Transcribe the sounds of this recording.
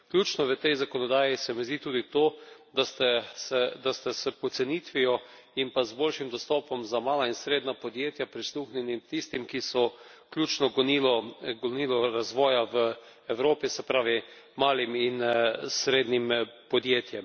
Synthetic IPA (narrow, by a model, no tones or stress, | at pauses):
klʲjuːt͡ʃnɔʋət̪ɛjzakɔnɔd̪aːjisɛmɛzd̪it̪uːd̪it̪oːd̪ast̪ɛsɛd̪ast̪ɛsɛpɔt̪sɛniːt̪ʋijɔ | impazbolʃimd̪ɔst̪ɔːpɔmzamaːlainsɾeːd̪napɔd̪jeːt̪japɾisluːxnʲɛnimt̪ist̪imkisɔklʲjuːt͡ʃnɔɡnilɔɡɔniːlɔɾazʋɔːjaʋə | ɛwɾoːpisɛpɾaːʋi | maːliminsɾeːd̪nimpɔd̪jeːt̪jɛm